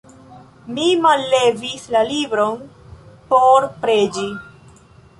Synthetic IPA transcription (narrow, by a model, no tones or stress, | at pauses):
mimalːe̞vislalibɾon | poɾpɾed͡ʒi